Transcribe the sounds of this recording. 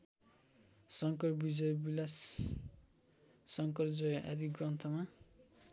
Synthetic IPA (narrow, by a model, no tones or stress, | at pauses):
sʌŋkʌrbid͡zʌjbilas | ʌŋkʌrd͡zʌja̰d̪iɡrʌnt̪ʰʌma